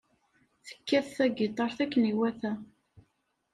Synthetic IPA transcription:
θə̥kːæθθæɡɪt̪ˤːɑɾˤθækːəniwæθæ

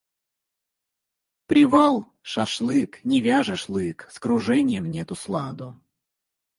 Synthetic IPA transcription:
pɾʲɪvalˠ | ʂaʂlˠɨknʲɪvʲaʐəʂlˠɨkskɾʊʐɛnʲɪjəmnʲɛt̪ʊslˠad̪ʊ

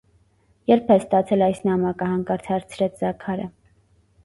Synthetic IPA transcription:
jɛɾpʰɛst̪ɑt͡sʰɛlɑjsnɑmɑkəhɑŋkɑɾt͡sʰɑɾt͡sʰɾɛt͡sʰzɑkʰɑɾə

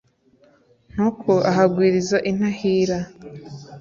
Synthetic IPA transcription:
n̥hukʰoʔaɦaɡwiːɾizaʔin̥ahiːɾa

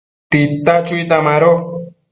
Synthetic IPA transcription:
t̪it̪at͡ʃujt̪amaɾo

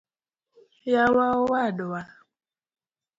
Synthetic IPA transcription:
jawawadowa

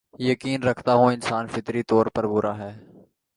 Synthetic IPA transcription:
jəkiːnɾəkʰt̪aːɦõːɪnsaːnfɪt̪ɾit̪ɔːɾpəɾbʊɾʔaːɦɛː

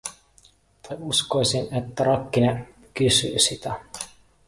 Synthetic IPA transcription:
t̪ɑjuskojsinet̪ːæɾɑkːine | kysy̰ːsit̪æ

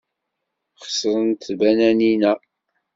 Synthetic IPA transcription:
χə̥sˤɾˤənt̪bænæninæ

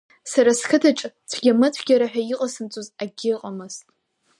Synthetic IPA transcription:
saɾaskʰɨtʰaʈ͡ʂʼt͡sʷʰɡʲamɨt͡sʷʰɡʲaɾaħᶣaiqʼasɨmt͡sʼuzaɡʲɪqʼamɨztʼ

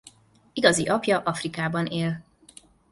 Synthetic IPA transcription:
iɡɒziʔɒpjɒʔɒfrikaːbɒneːl

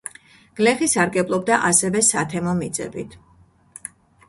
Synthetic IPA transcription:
ɡ̥lɛχisaɾɡɛblˠɔb̚d̪aʔasɛvɛsat̪ʰɛmɔmid̪zʼɛ̰bit̪ʰ

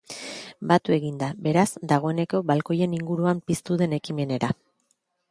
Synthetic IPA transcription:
bat̪ue̞ɣind̪abe̞ɾaz̥d̪aɣ̞o̞e̞ne̞ko̞βalko̞je̞niŋɡuɾuampist̪uðe̞ne̞kime̞ne̞ɾa

